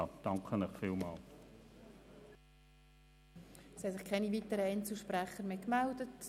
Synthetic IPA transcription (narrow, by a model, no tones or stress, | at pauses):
d̥ɑŋkʰənɪχfiːlmɑ̰ːl | shɛsɪχkʰɛnivitəɾəɛnt͡sl̩ʃprɛχəɾmeːkmældət